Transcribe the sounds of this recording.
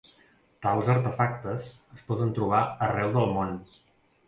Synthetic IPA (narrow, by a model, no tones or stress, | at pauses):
t̪alˠzəɾt̪əfak̚t̪əs | əspɔðənt̪ɾuβ̞aərɛwðəlˠmon